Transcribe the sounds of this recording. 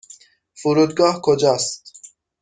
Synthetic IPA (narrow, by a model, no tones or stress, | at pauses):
fuɾud̪ɡɑːhkʰod͡ʒɑːst̪